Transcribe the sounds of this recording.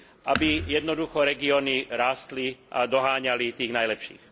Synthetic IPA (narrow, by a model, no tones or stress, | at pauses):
ʔabijɛd̪nɔd̪uxɔɾɛɡiɔniɾaːst̪liʔa̰d̪ɔɦaːɲalit̪iːɣnajlɛpʃḭːx